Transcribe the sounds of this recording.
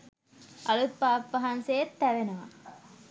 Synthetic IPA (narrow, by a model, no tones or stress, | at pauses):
ʔɐlut̪̚paːpʋɐɦansejet̪ːæʋenuʋɐ̰